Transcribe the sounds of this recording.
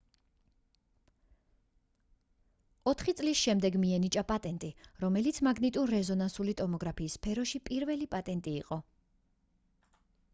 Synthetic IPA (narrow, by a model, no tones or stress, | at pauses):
ɔt̪ʰχit̪sʼlisʃɛmd̪ɛɡmiɛnit͡ʃʼapʼat̪ʼɛnt̪ʼiɾɔmɛlit̪sʰmaɡnit̪ʼuɾːɛzɔnansulit̪ʼɔmɔɡɾapʰiːspʰɛɾɔʃipʼiɾvɛlipʼat̪ʼɛnt̪ʼiːqʼɔ